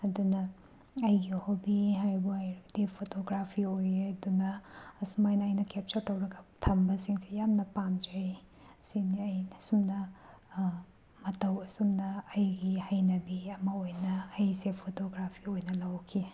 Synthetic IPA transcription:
ɐdunɐ | ɐjɡihobiɦajbuɐjɾɐɡdipʰotoɡɾapʰiojeɐdunɐːsumajnɐɐjnɐkep̚t͡ʃɐɾtɐwɾɐɡɐ̥tʰɐmbɐsiŋsijamnɐpamd͡ʒej | siniɐjnɐsumnɐ | mɐtɐwɐsumnɐːjɡihɐjnɐbiɐmɐojnɐːjsepʰotoɡɾapʰiojnɐlɐwkʰi

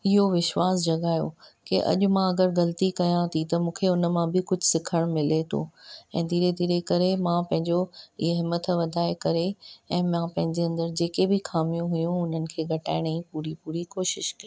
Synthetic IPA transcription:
ɪɦoʋɪʃwaːsd͡ʑɐɠaːjo̰keʔɐ̰ʄʊ̆mãɐɡəɾɣɐlt̪ikɐjãt̪ʰit̪ɐmũːkʰeʊnə̆mãbɪkʊd͡ʑʱʊsɪkʰəɽ̃mɪlet̪ʰo̰ɛ̃ːd̪ʱiːɾed̪ʱiːɾekɐɾemãpɐ̃ɦɪ̃ɲd͡ʑoiɦeɦɪmət̪ʰʋɐd̪ʱaːekɐɾeɛ̃ːmãpɐ̃ɦɪ̃ɲd͡ʑeɐ̃nd̪əɾd͡ʑeːkebɪxaːmijũɦʊjũʊn̤ənɪ̆kʰeːɡʱɐʈaːɪɽ̃ĩpuːɾipuːɾikoːʃɪʃkiː

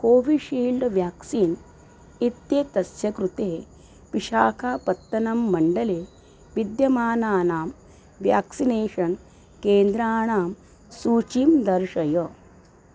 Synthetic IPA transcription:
koːʋiʃiːlɖʋjaːksiːn | it̪jet̪ɐsjɐkɾut̪eː | ʋiʃaːkʰaːpɐt̪ːɐnɐmːɐɳɖɐleː | ʋid̪jɐmaːnaːnaːm | ʋja̰ːksineːʂɐn | keːnd̪ɾaːɳaːm | suːt͡ʃimd̪ɐɾʃɐjɐ

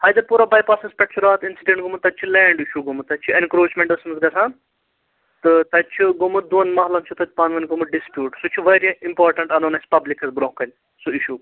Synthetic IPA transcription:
hɐːjt̪ɐpuːɾabɐːjpaːsɐspʲɐʈ̚t͡ʃʰuɾaːt̪insiɖẽɳʈ̚ɡumut̪ːɐt͡ʃʰulɛːɳɖiʃuɡumut̪ːɐt͡ʃʰuenkɾoːt͡ʃmẽɳʈɖɐsmsɡɐsãːn | t̪ɨt̪ɐt͡ʃʰuɡumut̪̚d̪uɐnmɐɦlɐmt͡ʃʰut̪ɐt̪ʲʰpanʋɐnʲɡumuɖispʲjuːʈsut͡ʃʰuʋɐɾiimpaːɾʈɐɳʈɐnonɐsʲpɐblikɐzbɾõːkɐnʲ | suiʃuː

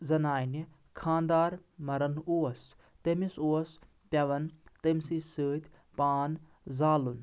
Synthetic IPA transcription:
zɐnaːjni | kʰãːnd̪aːɾmɐɾɐnuːɐs | t̪emisoɐs | pʲɐʋɐnt̪emsisɨːd̪ʲ | paːn | zaːlun

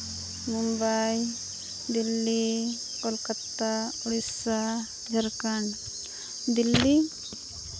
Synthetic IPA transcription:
mumbaj | d̪ilːi | kɔlkət̪auɽisa | d͡ʒʱəɾkaɳ | d̪ilːi

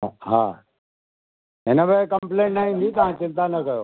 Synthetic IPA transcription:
ɦa̰ː | ɦenəbəkəmplẽːɳʈnaɦĩːnd̪ʱit̪ɐʋ̤ãt͡ɕɪ̃nt̪anɐkɐjoː

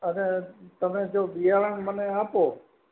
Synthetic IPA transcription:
əneːt̪əmẽːd͡ʒoːɓɪjaːɾəɳmənẽaːpoː

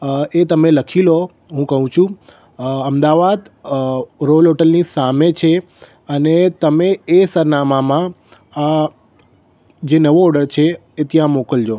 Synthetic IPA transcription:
et̪əmeləkʰilo | ɦũkəɦũt͡ʃʰũ | əmd̪aʋad̪ | ɾolɦoʈəlnisamet͡ʃʰe | ənet̪əmeesəɾnamamã | a | d͡ʒenəʋoɔɾɖəɾt͡ʃʰeː | t̪jãmokəld͡ʒo

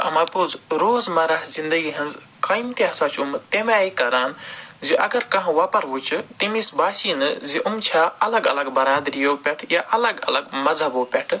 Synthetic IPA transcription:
ɐ̰maːpuzɾoːzmɐɾaːɦzind̪əɡiɦɐnz | kaːjimt̪iaːsaːt͡ʃʰumt̪emaːikɐɾaːnziʔɐɡɐɾkɐɦãʋaːpɐɾɦut͡ʃʰɨt̪imisbaːsiːnɨziʔumt͡ʃʰaːɐlɐɡɐlɐɡbɐɾaːd̪ɾijoːpʲɛʈʰjaːʔɐlɐɡɐ̰lɐɡmɐzʱɐboːpʲɛʈʰ

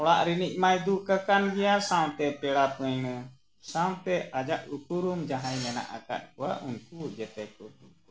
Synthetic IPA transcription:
ɔɽaʔɾiniʔ̚majd̪ukakanɡɛjasaw̃t̪ɛpɛɽapəɲnə | saw̃t̪ɛʔad͡ʒaʔukuɾumd͡ʒaɦajlɛna̰ʔa̰ka̰t̪̚kuwaʔunkud͡ʒɛt̪ɛkɔt̪u

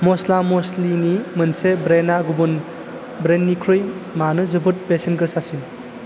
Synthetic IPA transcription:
mɔslamoslinimɯnsebɾenaɡubun | bɾenːikʰɾɯjmanɯzɯbɯt̚besinɡɯsasin

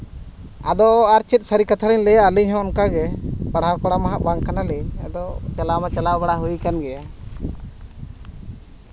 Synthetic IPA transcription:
a̰d̪ɔaɾt͡ʃit̪̚saɾikat̪ʰaɾiɲlɛjaaliɲɦɔ̃ɔnkaɡɛpaɽɦakɔɽamaɦaʔbaŋkanalɛa̰d̪ɔt͡ʃalamat͡ʃalawbaɽaɦujkanɡɛja

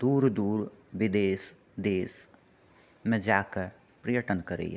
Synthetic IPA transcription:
d̪̥uːɾd̪uːɾʋɪd̪eːs | d̪eːs | mɛ̃d͡ʒaːkəɾ | pɾijəʈənkəɾḛ

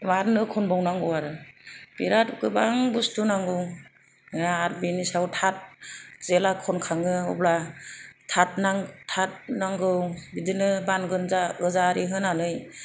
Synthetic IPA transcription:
maɾnɯkʰɔnbawnaŋɡɯwaɾɯbiɾatukɯbaŋbustunaŋɡɯw | jaːɾbinisawtʰat̚z̥elakʰɔnkʰaŋɯɔ̰blatʰat̚naŋtʰat̚naŋɡɯwbidɯnɯbanɡɯnzaɯzaɾʔiɦɯnanɯj

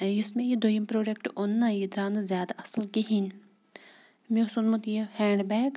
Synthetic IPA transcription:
jʊsmẽjid̪ojimpɾoːɖekʈonːajid̪ɾaːnzʲjaːd̪aʔɐslkiɦin | misunmut̪jehɛːɳɖbɛːɡ

